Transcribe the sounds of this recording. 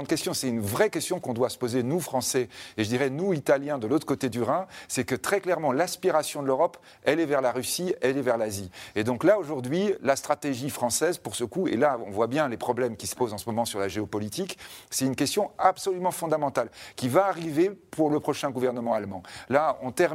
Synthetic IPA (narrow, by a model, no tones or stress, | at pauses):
d̪kʲɛst̪jɔ̃sɛt̪ynvʁɛkʲɛst̪jɔ̃kɔ̃d̪wasə̥pozenufχɑ̃sɛeʒəd̪iʁɛnuit̪aljɛ̃d̪əlot̪χə̥kot̪ed̪yʁɛ̃sɛkət̪χɛklɛʁmɑ̃laspiʁasjɔ̃d̪əløʁɔp | ɛlɛvɛʁlaʁysiɛlɛvɛʁlazied̪ɔ̃klaoʒuʁd̪ɥilast̪χat̪eʒifχɑ̃sɛzpuʁsəkuḛlaɔ̰̃vwabjɛ̃lepχɔblɛmkʲisə̥pozɑ̃səmɔmɑ̃syʁlaʒeɔpɔlit̪iksɛt̪ynkʲɛst̪jɔ̃apsɔlymɑ̃fɔ̃d̪amɑ̃t̪alkʲivaːʁivepʰuʁləpχɔʃɛ̃ɡuvɛʁnəmɑ̃almɑ̃laɔ̰̃t̪ɛʁ